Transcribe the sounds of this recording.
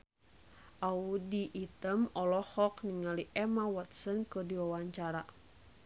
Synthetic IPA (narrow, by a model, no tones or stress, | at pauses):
ʔaudiʔːt̪əmɔlɔhɔkniŋaliʔɛmawɔt̪̚sənkədiwawaɲt͡ʃaɾa